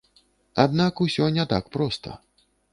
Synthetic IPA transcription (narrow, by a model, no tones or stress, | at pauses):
a̰d̪nakusʲɔnʲɛt̪akpɾɔst̪ʰɐ̰